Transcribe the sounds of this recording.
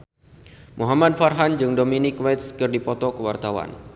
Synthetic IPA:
muɦamad̚farɦand͡ʒɨŋdominikwat̪skɨrdipɔt̪ɔkəwart̪awa̰n

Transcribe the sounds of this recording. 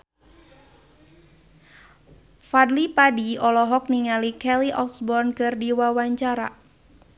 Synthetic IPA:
fadlipadiɔlɔɦɔk̚niŋalikɛliʔɔksbɔrnkɨrdiwawaɲt͡ʃaɾa

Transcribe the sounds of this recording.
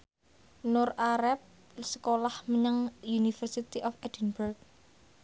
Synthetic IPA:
nʊrʔaɾɛp̚ | sə̥kolahməɲəŋjunifərsit̪iʔɔfɛd̥ənburk̚

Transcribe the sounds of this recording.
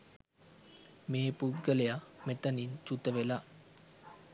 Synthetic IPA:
meːput̪̚ɡəlejamet̪ənint͡ʃut̪əʋela

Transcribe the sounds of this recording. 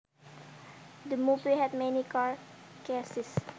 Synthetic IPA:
d̪əmubiɦɛd̚mɛnikaɹkesɪs

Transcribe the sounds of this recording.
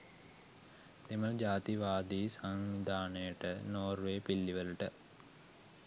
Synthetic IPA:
d̪emɐld͡ʒaːt̪iʋaːd̪iːsaŋʋid̪ʱaːnəjəʈənoːrʋeːpilːiʋəluʈə

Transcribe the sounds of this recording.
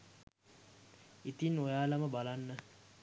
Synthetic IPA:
it̪inojaːlaməbalanːə

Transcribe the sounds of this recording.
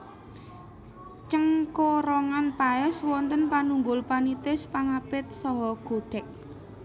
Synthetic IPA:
t͡ʃəŋkoɾɔŋanpaɛswɔnt̪ənpanuŋɡʊlpanit̪ɪspaŋapɪt̪̚sɔɦɔɡ̥o̤ɖ̥ɛk̚

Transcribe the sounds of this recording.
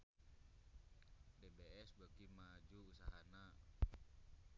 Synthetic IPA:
debeɛsbaɡimad͡ʒuːsaɦana

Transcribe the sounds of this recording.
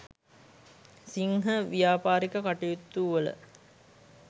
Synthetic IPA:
siŋɦəʋijaːpaːɾikəkaʈijut̪ːuːʋələ̰

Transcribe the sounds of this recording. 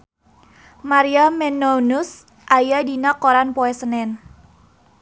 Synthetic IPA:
maɾiamɛnonʊs | ʔajadinakoɾanpoɛsənɛn

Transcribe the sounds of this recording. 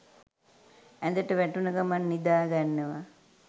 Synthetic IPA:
æd̪əʈəʋæʈunəɡamanːid̪aːɡanːəʋa

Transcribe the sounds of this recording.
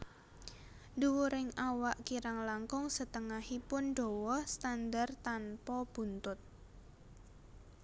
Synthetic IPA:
duwuɾɪŋawaʔkiɾaŋlaŋkʊŋsət̪əŋahipʊnɖɔwɔhst̪and̪art̪anpɔb̥ṳnt̪ʊt̪̚

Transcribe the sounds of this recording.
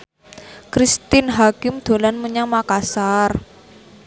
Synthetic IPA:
kɾist̪ɪnɦakɪmd̪̥o̤lanmuɲaŋmakasar

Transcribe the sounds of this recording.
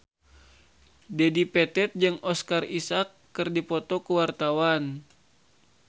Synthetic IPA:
dɛdipɛt̪ɛt̪̚d͡ʒɨŋɔskarisakːɨrdipɔt̪ɔkuwart̪awan

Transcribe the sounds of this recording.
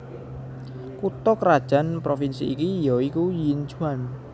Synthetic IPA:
kut̪ɔkrad̥ʒ̥a̤npɾofinsiikijɔikujint͡ʃuan

